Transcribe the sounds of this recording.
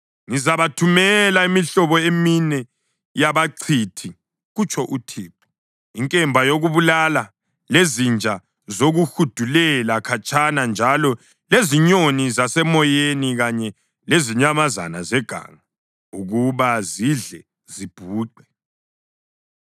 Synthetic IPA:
ŋizaβatʰumɛlaimiɬɔβɔeminɛ | jaβaǀʰitʰi | ɣut͡ʃʰʼɔʔutʰiːpʰɔ̥ | iŋkʼɛmbʱajoɣuβulala | lezind͡ʒʱa | zoɣuxud̥ʱulɛlakʰat͡ʃʰʼanand͡ʒʱalɔ | leziɲonizasɛmɔjeniɣaɲɛ | leziɲamaza̰nazɛɡ̥ʱa̰ŋa | uɣuβaziɮɛ | zib̥ʱuːǃɛ

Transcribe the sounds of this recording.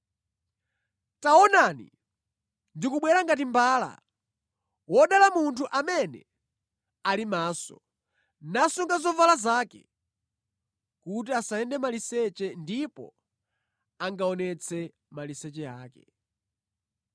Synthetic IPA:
taɔnanḭ | ndikuɓwɛɾaŋɡat̬imbaːla̰ | wɔɗalamuntʰuʔamɛnɛ̰ | alimaːsɔ̰ | nasuŋɡazɔvalazaːkɛ̰ | kut̬iasaɛndɛmalisɛt͡ʃɛndipɔ̰ | aŋɡaɔnɛt͡sʰɛ | malisɛt͡ʃɛaːkɛ

